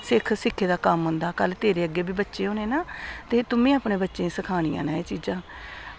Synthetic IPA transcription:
sɪkʰsɪkʰːeːd̪aːkəmɦʊnd̪aːkəlt̪eːɾeːəɡːeːbiːbətːʃeːɦõːneːnaːt̪eːt̪ʊmẽːaːpɳẽːbətːʃẽːsəkʰaːɽ̃ḭːã̰ːnãːeːt͡ʃiːd͡ʒãː

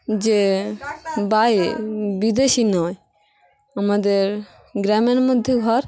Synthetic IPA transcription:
d͡ʒe | bajbid̪eʃinɔj | amad̪eɾ | ɡɾamenmɔd̪ʱjeɡʱɔɾ

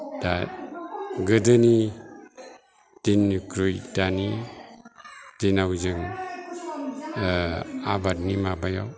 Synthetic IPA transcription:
da | ɡɯdɯni | tinːukɾujdani | tinawzɯŋ | abat̚nimabaja̰w

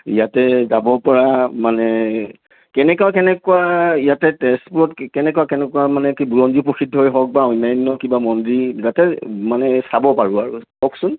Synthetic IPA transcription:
ḭjatɛzabɔpɔɹamanɛ | kɛnɛkuakɛnɛkuaijatɛtɛstpuɹɔtkɛnɛkuwakɛnɛkuwamanɛkibuɹɔnzipoxidʱːɔojɦɔk̚baɔjnːajnːɔkibamɔndɹizatɛmanɛsabɔpaɹʊaɹuhɔksʊn

